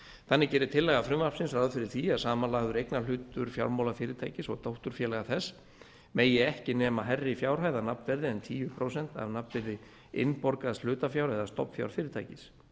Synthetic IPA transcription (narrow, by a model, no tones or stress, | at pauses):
θanːɪcɛːɾɪt̪ʰɪlːɛɣafɾʏmvaɾ̥psɪnsɾawðfɪɾɪɾ̥θiasaːmanlaːɣðʏɾejknalʏːt̪ʏɾ̥fja̰wɾmawlafɪːɾɪɾt̪ʰaːjcɪsɔ̰ɣt̪owht̪ʏɾ̥fjɛːlɛɣaθɛs | meːjɛɣɛhcɪnɛːmaɦɛrːɪfjawɾ̥ɦaːjðanapnvɛɾðɪɛnt̪ʰiːvʏpʰɾowsɛn̥t̪a̰vnapnvɛɾðɪ | ɪ̰npɔɾkaðsl̥ʏːt̪afjawɾɛðast̪ɔ̰pfja̰wɾ̥fɪːɾɪɾt̪ʰa̰jcɪs